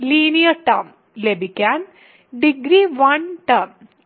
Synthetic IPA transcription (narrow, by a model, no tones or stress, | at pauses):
liːnijɐʈɐm | lebikan | ɖiɡɾiʋɐnʈɐm